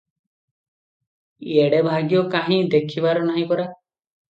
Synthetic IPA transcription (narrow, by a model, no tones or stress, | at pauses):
eɽebʱaɡjɔkaɦĩd̪ekʰibaɾɔnaɦĩpɔɾa